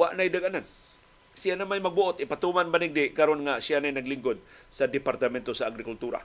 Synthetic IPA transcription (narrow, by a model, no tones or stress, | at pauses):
waʔnajd̪aɡanan | sɪjanamajmɐɡ̚bʊʔot̪ʔɪpat̪umanbanɪɡ̚d̪ɪʔkaɾonŋasɪjanajnɐɡlɪŋɡod̪̚sad̪ɪpaɾt̪ɐmɛnt̪o̞saːɡɾɪkult̪uːɾa̰